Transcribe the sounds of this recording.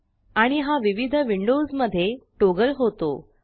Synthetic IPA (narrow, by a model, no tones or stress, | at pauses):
aɽ̃iɦaʋiʋid̪ʱəʋiɳɖosməd̪ʱːjeʈoɡəlɦot̪o